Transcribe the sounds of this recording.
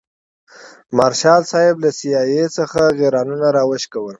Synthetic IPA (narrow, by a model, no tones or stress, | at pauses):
maɾʃɑlsɑjɪblasijɑjesəxaɣeɾɑnunaɾɑwəʃkawəl